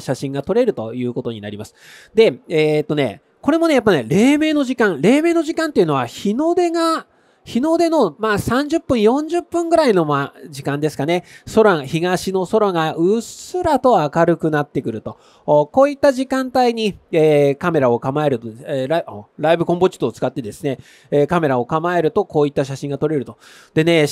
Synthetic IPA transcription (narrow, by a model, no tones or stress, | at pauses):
ɕaɕĩŋɡat̪o̞ɾe̞ɾɯ̟t̪o̞jɯ̟ːko̞t̪o̞ɲ̟ina̰ɾʲimasɨ̥ | d̪e̞et̪ːo̞ne̞̰ | ko̞ɾe̞mo̞ne̞jap̬ːane̞ɾe̞ːme̞ːno̞ʑikãŋ̃ɾe̞ːme̞ːno̞ʑikãnt̪ːeiɯ̟no̞açino̞d̪e̞ɡa | çino̞d̪e̞no̞maːsãɲ̟d͡ʑɨpːɯ̟̃ɰ̃jõ̞ɲ̟d͡ʑɨpːɯ̟̃ŋɡɯ̟ɾaino̞mad͡ʑikãnd̪e̞sɨ̥kane̞so̞ɾaçiɡaɕino̞so̞ɾoŋaʔɯ̟sɨɾat̪o̞akaɾɯ̟kɯ̟nat̪ːe̞kɯ̟ɾɯ̟t̪o̞ | ko̞ːit̪ːaʑikãnt̪aiɲ̟ieːkame̞ɾao̞kamae̞ɾɯ̟t̪oɾaioɾaibɯ̟kõ̞mpo̞t͡ɕi̥t̪oːt͡sɨ̥kat̪ːe̞d̪e̞sɨne̞ | eːkame̞ɾao̞kamae̞ɾɯ̟t̪o̞koːit̪ːaɕaɕĩŋɡat̪o̞ɾe̞ɾɯ̟t̪o | d̪̥e̞ne̞